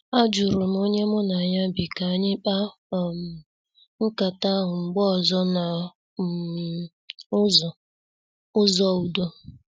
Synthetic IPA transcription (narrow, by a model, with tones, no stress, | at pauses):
a˦d͡ʒu˨ɾu˨m˦o˦ɲe˦mʊ˦na˨ɲa˦bi˨ka˨ɲɪ˦k͡pa˦˨ | m̩˨ | ŋ̩˦ka˨ta˦ɦʊ˨ŋ͡m̩˨ɡ͡bɔ˦ɔ˨zɔ˦na˨˦ | zɔ˨ | ʊ˦zɔ˦u˨do˦